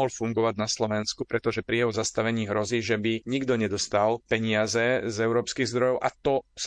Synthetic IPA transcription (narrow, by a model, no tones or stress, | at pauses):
ɦɔlfuŋɡɔʋaɟnaslɔʋɛnskupɾɛt̪ɔʒɛpɾiɛɦɔzast̪aʋɛɲiːɦɾɔziːʒɛbiɲiɡd̪ɔɲɛd̪ɔst̪alpɛɲɪazɛzɛʊɾɔːpskiɣzd̪ɾɔjɔʊʔa̰t̪ɔs